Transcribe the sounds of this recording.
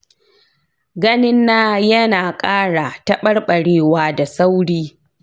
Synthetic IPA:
ɡɐ˦nɪ˦nːaː˦jɐ˦naː˨kʼaː˦ɽa˨tɐ˦ɓɐ˦rɓɐ˨ɽeː˦waː˦da˨sa˦wɽiː˦

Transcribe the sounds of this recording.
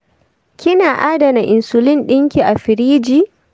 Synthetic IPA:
kʲɪ˦naː˨ʔaː˦da˨na˨ʔɪ˨nsʊ˨lɪ˦nɗɪ˦ŋkʲi˨ʔa˨ɸɪ˨ɾiː˦d͡ʒiː˦˨

